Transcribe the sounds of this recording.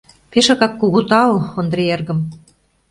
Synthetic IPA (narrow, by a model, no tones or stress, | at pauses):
peʃɑ̆kɑkːuɣut̪ɑloond̪ɾeerɣə̆m